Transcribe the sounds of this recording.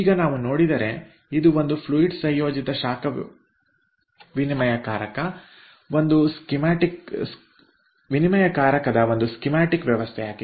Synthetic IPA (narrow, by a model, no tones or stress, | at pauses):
iːɡɐnaːʋuno̞ːɽid̪ɐɾe̞ | id̪uʋo̞nd̪upʰluiʈsɐ̃jjoːd͡ʒit̪ɐʃaːkɐ | ʋinimɐjɐkaːɾɐkɐ | o̞nd̪uskimaːʈiks | ʋinimɐjɐkaːɾɐkɐd̪ɐʋo̞nd̪uskimaːʈikʋjɐʋɐst̪ʰɛjaːɡi